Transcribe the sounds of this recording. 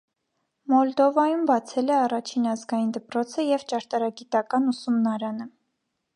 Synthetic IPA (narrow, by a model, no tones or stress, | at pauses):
mɔld̪ɔvɑjumbɑt͡sʰɛlɛɑrɑt͡ʃʰinɑzɡɑjind̪əpɾɔt͡sʰəjɛvt͡ʃɑɾt̪ɑɾɑɡit̪ɑkɑnusumnɑɾɑnə